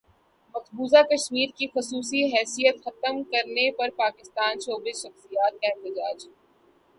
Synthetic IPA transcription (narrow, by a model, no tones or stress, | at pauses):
mɐkbuːzakɐʃmiːɾkixʊsuːsiɦɛːsijət̪xɐt̪əmkɐɾnepɐɾpaːkɪst̪aːnʃoːbeʃɐxsijaːt̪̚kaɪt̪ɪd͡ʒaːd͡ʒɦɛ